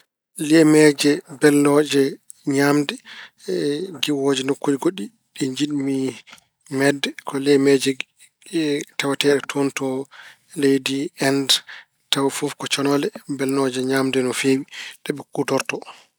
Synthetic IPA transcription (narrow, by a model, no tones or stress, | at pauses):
lɛmɛd͡ʒɛbɛlnɔd͡ʒɛ | ɲaːmdɛ | ɡiwod͡ʒɛnokːud͡ʒiɡoɗi | ɗiɲd͡ʒiɗmi | mɛdːɛkʰɔlɛmɛd͡ʒɛ | tawatɛɗɛtʰontɔ | lejdiɛnd | tawfofkɔt͡ʃɔnɔlɛbɛlnɔd͡ʒɛɲaːmdɛnɔfewiɗɛɓɛkutɔɾtɔ